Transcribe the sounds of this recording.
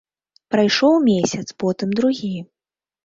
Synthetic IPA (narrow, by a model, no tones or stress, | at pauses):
pɾajʂɔwmʲesʲɐt̪spɔt̪ɨmd̪ɾuɣʲi